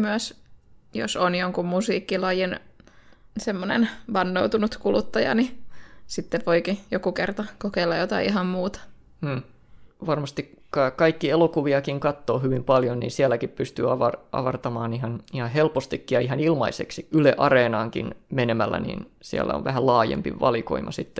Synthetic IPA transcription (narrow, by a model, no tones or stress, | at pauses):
myæsjo̰sonjoŋkummusiːkːilɑjin | semːonḛnʋɑnːout̪unut̪kulut̪ːɑjɑ̰nisit̪ːeʋoikijokukert̪ɑkokeilːɑjot̪ɑiiɦɑmmuːt̪ɑ̥ː | ʋɑrmɑst̪ik | kɑkɑikːielokuʋiɑkiŋkɑt̪ːoːhyʋimpɑljonnḭːnsiælːækippyst̪y̰ːɑʋɑrʔɑ̰ʋɑrt̪ɑmɑːniɦɑnihɑhelpost̪ikːijɑiɦɑnilmɑiseksiyleʔɑreːnɑːŋkḭnmenemælːæ̰nḭːnsiæ̰lːæ̰o̰ʋʋæhællɑːjḛmpḭʋʋɑ̰liko̰imʔɑsit̪ːe̥